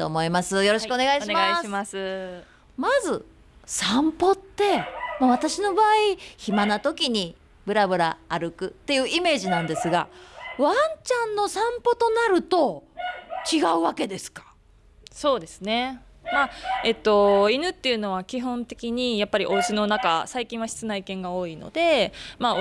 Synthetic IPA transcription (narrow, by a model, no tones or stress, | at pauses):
t̪o̞ːmo̞imasɨjo̞ɾo̞ɕikɯoneɡaiɕimasmasɨ | mazɨ | sãmpo̞t̪ːe̞maβ̞at̪aɕino̞baːiçimanat̪o̞kʲiɲ̟i | bɯ̟ɾabɯ̟ɾaːɾɯ̟kɯ̟t̪ːe̞jɯ̟ːʔime̞ːʑinãnd̪e̞sɨɡa̰βãɲt͡ɕãnːo̞sãmpo̞t̪o̞naɾɯ̟t̪o̞ | t͡ɕiɡaɯ̟βake̞d̪e̞sɨ̥kḁ | so̞ːd̪e̞sɨne̞ | maet̪ːo̞inɯ̟t̪ːe̞jɯ̟no̞βakʲiɦõ̞nt̪e̞kʲiɲ̟ijapːaɾʲiʔo̞ɯ̟ɕino̞naka̰saikʲĩɰ̃βaɕi̥t͡sɨnaikẽ̞ŋɡao̞ːino̞̰d̪e̞ma